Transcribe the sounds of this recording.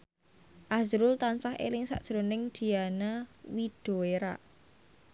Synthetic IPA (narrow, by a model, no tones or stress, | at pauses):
ʔazɾʊlt̪ansahḛlɪŋsa̰ʔd̥ʒ̥ɾonɪŋd̪̥i̤anawid̥o̤eɾa̰ʔ